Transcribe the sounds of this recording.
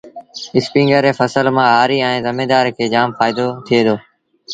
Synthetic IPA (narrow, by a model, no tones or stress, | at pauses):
ɪspĩːŋɡəɾeːfəsəlmãːɦaːɾiːɛ̃ːzɪmeːd̪aːɾkʰeːd͡ʒaːmfaːɪd̪oːt̪ʰɪeːd̪oː